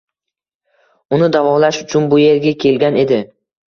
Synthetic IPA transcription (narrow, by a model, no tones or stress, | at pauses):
ʊnɪd̪avɒlaʃʊt͡ʃʰʊnbʊje̞ɾɡʲakʲʰe̞lɡʲane̞d̪ɪ